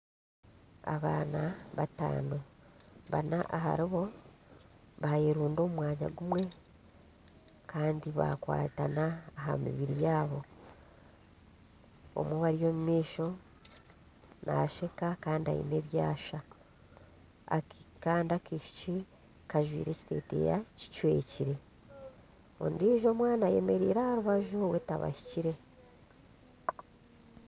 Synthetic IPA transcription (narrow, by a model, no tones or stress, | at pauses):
a̰βaːnaβata̰ːnoβa̰naʔaɦa̰ɾiβo̞ | βajeɾuːndo̞mumwaːɲa̰ɡumwe̞ | kʰaːndiβa̰kwa̰ːtanaːɦa̰mḭβiɾijaːβo̞ | o̰mweβaɾijo̞ːmumiːʃo̞ | nʔa̰ʃe̞kakaːndia̰ḭne̞βjaːʃa | a̰kaːndiakiʃi̥ci | kaʒwḭːɾe̞ci̥te̞̰ːte̞̰ja̰ci̥cwe̞̰ːciɾe̞ | o̰ndiːʒo̞ːmwaːnaje̞me̞ɾiːɾahaɾuβaʒoβwe̞ta̰βa̰hi̥ciɾe̞